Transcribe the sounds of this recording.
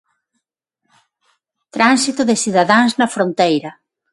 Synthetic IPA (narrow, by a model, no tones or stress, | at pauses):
t̪ɾansit̪ʊðɪsiðaðaŋznɐfɾõnt̪ejɾɐ